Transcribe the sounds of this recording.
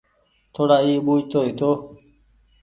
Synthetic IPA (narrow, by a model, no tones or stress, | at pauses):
t̪ʰoːɽaːiːɓuːd͡ʒt̪oːɦit̪oː